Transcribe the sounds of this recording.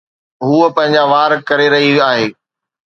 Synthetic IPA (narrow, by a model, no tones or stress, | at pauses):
ɦuːəpɐ̃ɦɪ̃ɲ̆d͡ʑaʋaːɾkɐɾeɾɐɦiaːɦeː